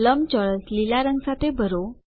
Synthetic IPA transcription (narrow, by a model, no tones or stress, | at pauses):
ləmt͡ɕɔɭəslilaɾəŋɡsat̪ebʱəɾo